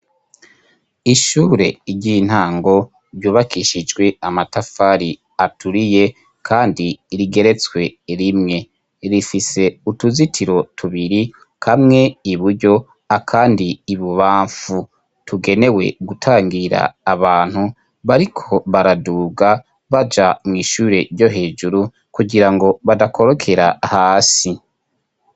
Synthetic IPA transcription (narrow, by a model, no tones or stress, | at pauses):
iʃuːɾe̞̰ɾɟiːn̥haːŋɡo̞ | ɾɟuːβakiʃid͡ʒɡwe̞amatafaɾi | atuɾije̞ | kʰaːndiɾiɡe̞ɾe̞t͡swe̞ɾimŋe̞ | ɾifise̞utuzitʰiɾo̞tʰuβiɾi | kamŋe̞iβuɾɟo̞ | akʰaːndiːβuβaːɱfu | tʰuɡe̞ne̞we̞̰ɡutʰaːŋɡiɾa̰ːβaːn̥hu | βaɾikʰo̞βaɾaduːɡa | βad͡ʒamŋiːʃuːɾe̞ɾjɟo̞ɦe̞ːd͡ʒuɾu | kuɡiɾaŋɡo̞βadakʰo̞ɾo̞kʰe̞ɾa̰haːsi